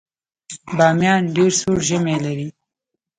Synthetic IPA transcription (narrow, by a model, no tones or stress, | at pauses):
bɑːmjɑnɖeɾsuɾʒəmelaɾi